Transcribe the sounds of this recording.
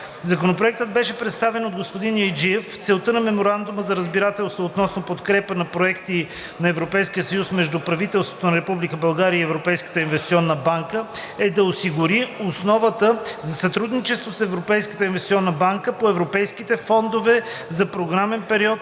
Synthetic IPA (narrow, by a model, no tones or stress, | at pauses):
zɐkonop̬ɾoɛk̚t̪əd̪̚bɛʃɛpɾɛt̪st̪avɛnod̪̚ɡospod̪injojd͡ʒiɛft̪sɛlˠt̪ənɐmɛmoɾand̪ʊməzɐɾəzbiɾat̪ɛlˠst̪voːt̪nɔsnopot̪kɾɛpənɐpɾoɛkt̪i | nɐɛvɾopɛjskijəsəjusmɛʒd̪upɾɐvit̪ɛlˠst̪vo̥t̪onɐɾɛpublikəbɐlˠɡaɾʲiəiɛvɾopɛjskə̥t̪əinvɛst̪siɔnːəbaŋkə | ɛd̪ɐosiɡʊɾiosnɔvət̪əzɐsɐt̪ɾud̪nit͡ʃɛst̪vosɛvɾopɛjskə̥t̪əinvɛssʲiɔnːəbaŋkəpoɛvɾopɛjskit̪ɛfɔnd̪ovɛzɐpɾoɡɾamɛnpɛɾiɔt̪̚